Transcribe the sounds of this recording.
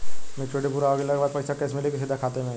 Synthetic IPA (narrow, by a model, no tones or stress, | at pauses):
mɛ̃t͡ʃʰoʈepuɾaoɡelakbad̪̚pəjsakɛsmɪlekisɪd̪ʱakʰat̪emẽ